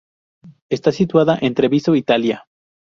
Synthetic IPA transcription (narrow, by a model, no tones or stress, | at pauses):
e̞st̪asit̪waðaʔent̪ɾeβisoit̪alja